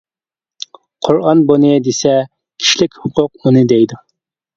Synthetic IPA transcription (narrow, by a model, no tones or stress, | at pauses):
qʰʊɾɑnbonɨd̪esɛ | kʲʰi̥ʃlɪkʲhʊqʰʊq̚unɨd̪ɛjd̪u